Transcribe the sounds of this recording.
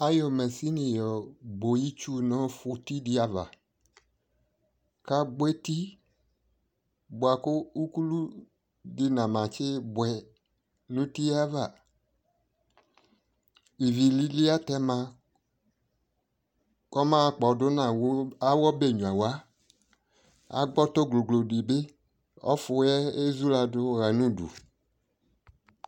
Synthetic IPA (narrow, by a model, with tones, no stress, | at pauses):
a˦jɔ˨mɛ˨si˦nĩ˨jɔ˨bo˨ji˦t͡ʃu˦nɔ̃˦fʊ˦ti˦dɪ˦a˨va̰˨ | ka˦ɡ͡bʷe˦ti˦ | bʊ˨a˨kʊ˦u˦ku˦lu˦ | dɪ˦nã˨mã˨t͡ʃɪ˦bʊ˨ɛ˨ | nũ˦ti˦a˦va˨ | i˨vi˨li˨li˦a˦tɛ˦mã˨ | kɔ˦mã˦˨k͡pɔ˨dʊ˦nã˨˦a˦wɔ˦be˦˨ɲũ˨a˨wa˨˦ | a̰˦ɡ͡bɔ˦to˦ɡlo˨ɡlo˨de˨be˦ | ɔ̰˦fʊ˨˦ɛ˦e˦zu˦la˨dʊ˦ɣa˨nũ˦dṵ˨